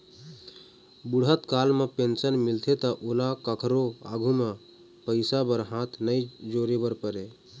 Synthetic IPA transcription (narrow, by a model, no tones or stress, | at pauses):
buɽ̤ət̪kalmepensənmilt̪ʰet̪ɔʔolakəkʰɾoa̰ɡʱume | pəɪsabəɾɦãt̪ʰnəjd͡ʒoɾebəɾpəɾe